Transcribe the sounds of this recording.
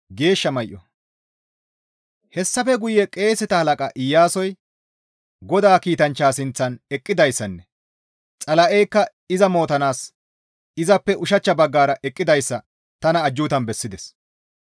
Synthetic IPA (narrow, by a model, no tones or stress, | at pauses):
ɡe̞ːʃːɐmɐjʔɔ | hɛsːɐfɛɡʊjːɛkʼe̞ːsɪt̪ɐhɐlɐkʼɐʔɪjːaːsɔj | ɡɔd̪aːkiːt̪ɐnt͡ʃːaːsɪnt͡sːɐnɛkʼːɪd̪ɐjsːɐnːɛ | t͡sʼɐlɐʔɛjkːɐ | ɪzɐmo̞ːt̪ɐnaːs | ɪzɐpːɛʔʊʃɐt͡ʃːɐbɐɡːaːɾɐʔɛkʼːɪd̪ɐjsːɐ | t̪ɐnɐːd͡ʒːuːt̪ɐnbɛsːɪd̪ɛs